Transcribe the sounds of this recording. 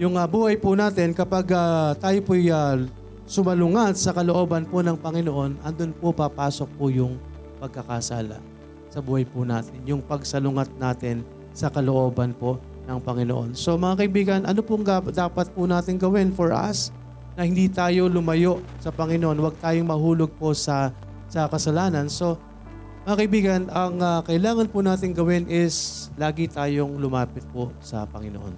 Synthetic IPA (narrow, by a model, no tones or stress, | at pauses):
jʊŋɐbuːhɐjpʊnaːt̪ɪnkɐpaɡat̪aːjopoja | sʊmɐlʊŋat̪̚sɐkɐloʔo̞ːbɐnponɐŋpɐŋɪnoʔo̞nʔɐnd̪onpopɐpaːso̞k̚pʊjʊŋ | pɐɡ̚kɐkasa̰ːlɐ̰ | sɐbuːhɐjpʊna̰ːt̪ɪnjʊŋpɐɡsɐlʊŋat̪̚naːt̪ɪn | sɐkɐloʔo̞ːbɐnpo | nɐŋpɐŋɪnoʔo̞̰nso̞mɐŋakɐʔɪbiːɡɐnʔɐnopʊŋd̪ad̪aːpɐt̪̚pʊnaːt̪ɪŋɡɐwɛnfoɹʔɐ̰s | nɐhɪnd̪iːt̪aːjo̞lʊmɐjo̞ʔsɐpɐŋɪnoʔo̞nwɐɡ̚t̪aːjoŋmɐɦuːlo̞ɡ̚posɐ | sɐkɐsɐlaːnɐnso̞ | mɐŋakɐʔɪbiːɡɐnʔɐŋɐkɐʔɪlaːŋɐnpʊnaːt̪ɪŋɡɐwɪnʔɪslaːɡɪt̪aːjoŋlʊmaːpɪt̪̚posɐ̰pɐŋɪnoʔo̰n